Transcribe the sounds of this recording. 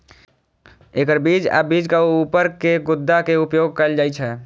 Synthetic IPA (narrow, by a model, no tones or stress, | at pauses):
eːkəɾbiːd͡ʒa̰biːd͡ʒkaupəɾkeɡʊd̪ːakeʊpjoːɡ̚kəld͡ʒaːit͡ʃʰɛː